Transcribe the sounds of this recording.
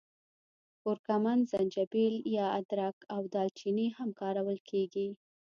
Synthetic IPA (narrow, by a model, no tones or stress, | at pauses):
ʊɾkamanzand͡ʒabeljɑad̪ɾakawd̪ɑlt͡ʃinihamkɑɾawəlkʰeɡi